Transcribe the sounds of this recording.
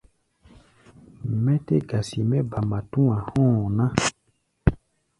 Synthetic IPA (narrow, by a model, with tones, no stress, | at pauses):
mɛ̃˦te˦ɡa˨si˨mɛ̃˦ba˨mã˨tũ˦ã˨hɔ̃˦˨nã˦